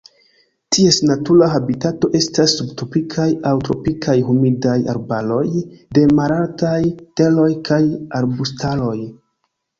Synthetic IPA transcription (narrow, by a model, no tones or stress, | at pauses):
tʰie̞snatuɾaɦabitato̞ʔe̞stasːubtopikʰajawtɾo̞̰pikʰajhumidaja̰ɾbalo̞jde̞maɾaltajte̞lo̞jkʰajaɾbustʰalo̞j